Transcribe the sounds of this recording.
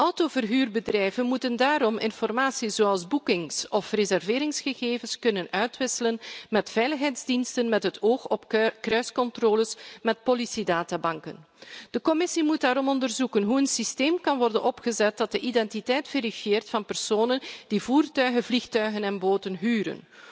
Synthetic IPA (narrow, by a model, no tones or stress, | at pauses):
ʔɔwtoːvərɦyːrbədrɛjvənmutəndaːɾɔmɪ̰nfɔrmaːsiz̥oːɑlˠzbukɪŋsɔfrezɛrvɪːɾɪŋsxəɣeːvənskɵnənœɥtʋɪsələnmɛtfɛjləxɦɛjdzdinstənmɛtɦətʰoːxɔpkrœɥskɔntroːləsmɛt̚polisidaːtaːbɑŋkən | d̥əkɔmɪsimutdaːɾɔmɔndərzukənɦuənsisteːmkɑnʋɔrdənɔpχəzɛt̚d̥ɑt̚dəʔidɛntitɛjtv̥eɾifjeːrtfɑnpɛrsoːnənd̥ivuːrtœɥɣəvlixtœɥɣənɛnboːtənɦyːɾə̰n